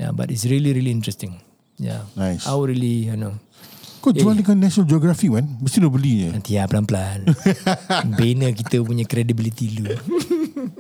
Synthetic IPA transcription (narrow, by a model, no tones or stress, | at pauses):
ja̰ba̰tits̬ɹiliɾiliĩntɹɛst̪ɪ̃ŋ | ja̰najsawɹiliano | kad͡ʒualdəŋanːɛʃnald͡ʒɔɡɾafimãnbəst̪inɔbəliɲənant̪ijaplanplan | benəkit̪əp̬uɲakɾedibilit̪ilu